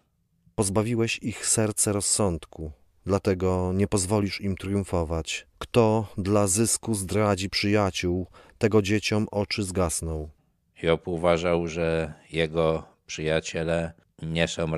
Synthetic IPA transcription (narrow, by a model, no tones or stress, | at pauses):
pɔzbavʲiwɛɕixsɛɾt̪sɛɾɔsːɔnt̪ku | d̪lat̪ɛɡɔɲɛpɔzvɔlʲiʂimt̪ɾjũfɔvat͡ɕkt̪ɔd̪lazɘskuzd̪ɾad͡ʑipʂɘjat͡ɕuwt̪ɛɡɔd͡ʑet͡ɕɔmʔɔt͡ʂɘzɡasnɔw | jɔpuvaʐawʐɛjɛɡɔpʂɘjat͡ɕɛlɛ | ɲɛsɔ̃w̃